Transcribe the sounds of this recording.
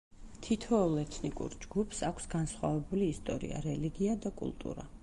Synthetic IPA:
t̪ʰit̪ʰɔɔlˠɛt̪ʰnikʼṵɾd͡ʒɡupʰsakʷʰsɡansχwavɛbuliːst̪ʼɔɾḭa̰ɾɛliɡiad̪akʼṵlˠt̪ʼṵɾa̰

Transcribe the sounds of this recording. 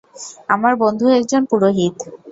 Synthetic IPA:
amaɾbond̪ʱuɛk̚d͡ʑonpuɾoɦit̪

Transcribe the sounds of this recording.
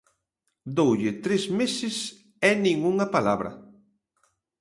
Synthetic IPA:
d̪owʎɪt̪ɾesmesɪs | ɛnĩŋuŋɐpalaβɾɐ̰

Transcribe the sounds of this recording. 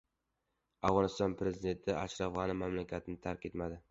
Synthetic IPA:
avʁɒnɪst̪ɒnpʰɾe̞zid̪e̞nt̪ʰɪa̰ʃɾafʁɑnɪmamlakʲʰat̪ʰɪnɪt̪ʰaɾkʲe̞t̪mad̪ɪ

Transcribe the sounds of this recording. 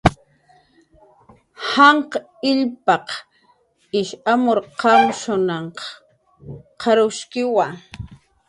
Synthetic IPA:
hɑɴqɑ | ɪʎpɑq | ɪʃamoɾqɑmʃʊnɑɴqɑ̥ | qʰɑɾʊʃkɪwa

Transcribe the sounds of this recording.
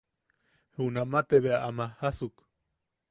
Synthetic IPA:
huunamat̪eβeaʔamahasuk

